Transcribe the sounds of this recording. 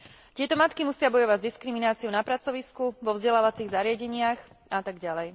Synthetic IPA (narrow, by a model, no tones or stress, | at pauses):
t̪ɪɛt̪ɔmat̪kimusɪabɔjɔʋaɟzd̪iskɾiminaːt͡siɔʊnapɾat͡sɔʋiskuʋɔvzɟɛlaːʋat͡siɣzaɾɪaɟɛɲɪax | at̪aɡɟalɛj